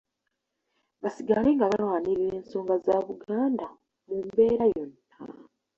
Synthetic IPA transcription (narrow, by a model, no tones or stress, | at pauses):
βasiɡale̞ːŋɡaβalwaːniɾiɾe̞ːnso̞ːŋɡazaβuɡaːnda | mumbe̞ːɾajo̞nː | a̰